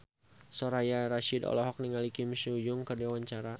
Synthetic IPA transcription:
sɔɾajaɾaʃidɔ̰lɔɦɔk̚niŋalikimʃujʊŋkərdewaɲt͡ʃaɾa

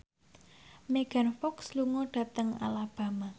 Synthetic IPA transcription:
meɡ̥a̤nfɔksluŋɔɖ̥ä̤t̪əŋa̰lab̥a̤ma

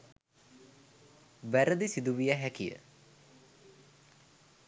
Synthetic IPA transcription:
ʋæɾəd̪isid̪uʋijaɦækijə̰

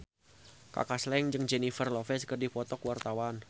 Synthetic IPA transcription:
ka̰kaslɛŋd͡ʒɨŋd͡ʒenifərlɔfɛskərdipɔt̪ɔkuwart̪awan

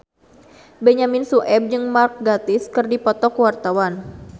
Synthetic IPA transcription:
bɛɲaminsuʔɛb̚d͡ʒɨŋmark̚ɡat̪ɪskɨrdipɔt̪ɔkəwart̪awan

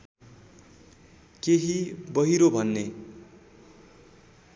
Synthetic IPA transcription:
keɦibʌɦiɾobʱʌnːe

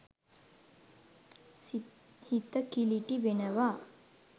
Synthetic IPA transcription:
hit̪əkiliʈiʋenəʋa

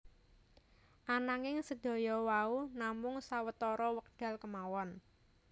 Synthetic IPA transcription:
ʔanaŋɪŋsəd̪̥o̤jɔwaunamʊŋsawət̪ɔɾɔwək̚ɖ̪̥a̤lkəmawɔn

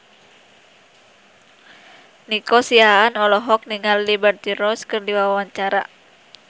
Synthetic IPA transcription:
nikɔsiaːnɔlɔɦɔk̚niŋalːibɛrt̪iɾɔskɨrdiwawawaɲt͡ʃaɾa̰

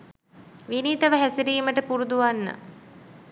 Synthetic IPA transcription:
ʋiniːt̪əʋəɦæsiɾiːməʈəpuɾud̪uʋanːə̰

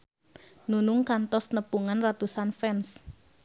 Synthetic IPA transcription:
nunuŋkant̪ɔsnəpuŋanrat̪usanfɛns

